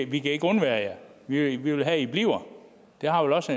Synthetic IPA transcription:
ʋikʰæe̝ɡ̥ɔnʋæːɐjæʋiʋiʋelɦæib̥liʊ̰ɐ | d̥e̝ɦɑ̈ʋelɒ̽s

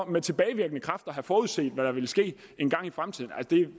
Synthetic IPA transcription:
met͡sʰe̝b̥ɛːɪʋiɐɡ̥ənəkʰʁɑ̈fd̥ɐɦæfɒːuð̞̰ˠse̝̰ːd̥ʋæɾ̥ɑ̈ʋe̝lsɡ̥e̝̰ːe̝nɡ̥ɑ̈ŋ̰ifʁamt͡sʰiðˠn̩ælsəd̥e̝

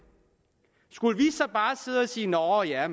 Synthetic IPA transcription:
sɡ̥uləʋisɒ̽b̥ɑ̈ːse̝ðˠsiːnɒːɒjæm

